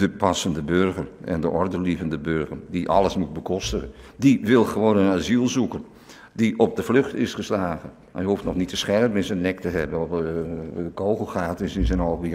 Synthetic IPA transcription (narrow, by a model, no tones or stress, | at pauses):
dəpasəndəbørɣərɛ̰ndəʔɔrdərlivəndəbørɣərdiʔɑ̰ləsmut̚bəkʰɔstəə | diʋɪlˠxəʋoːnənazilˠzukən | diʔɔp̚dəfløxtɪsχəslaːɣə | majəuftnɔxnitəsxɛrpmɪnsənːɛk̚təɦɛbənɔp | kʰoːwɣəlˠxaːtɪsɪnsənɔlˠbi